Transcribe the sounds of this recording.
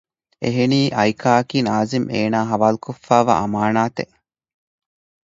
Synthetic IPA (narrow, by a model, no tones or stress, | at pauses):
eɦeniːʔɐjkʰaːɐkiːnaːzimeːnaːɦɐʋaːlukofːaːʋa̰ːʔɐmaːnaːt̪eʔ